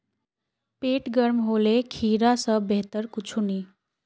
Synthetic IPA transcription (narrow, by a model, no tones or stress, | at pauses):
peʈɡəɾmɦolekʰiɾasəbeɦt̪əɾkut͡ʃʰuni